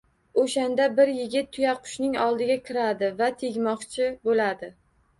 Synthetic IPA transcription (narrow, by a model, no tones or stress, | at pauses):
oʃand̪abɪɾjɪɡʲɪt̪ʰːʊjaqʰʊ̥ʃnɪŋɒlˠd̪ɪɡʲakʲʰɪɾad̪ɪvat̪ʰeɡʲmɒqt͡ʃʰɪbolad̪ɪ